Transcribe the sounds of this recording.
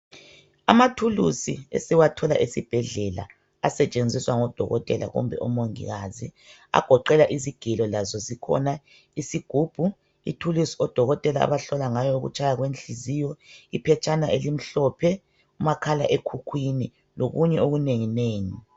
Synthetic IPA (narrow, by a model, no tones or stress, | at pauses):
a̰matʰulusiḛsiwatʰɔlaʔisib̥ʱɛɮɛla̰ | asɛt͡ʃʼend͡zʱiswaŋɔd̥ʱɔ̰ɣɔ̰tʼɛla̰ɣṵmbʱɛ̰ʔɔmoŋḭɣaːzi | a̰ɡ̥ʱɔǃɛlaʔiziɡ̥ʱilɔlazɔzikʰɔ̰na | isiɡ̥ʱuːb̥ʱu | ḭtʰulusiɔd̥ʱɔɣɔtʼɛlaa̰βaɬɔlaŋajɔuɣṵt͡ʃʰʼajaɣwent͡ɬizijɔipʰɛt͡ʃʰʼanaʔelim̩ɬɔpʰɛ | umakʰala̰ʔekʰukʰwini | loɣuɲɛoɣuneŋineːŋi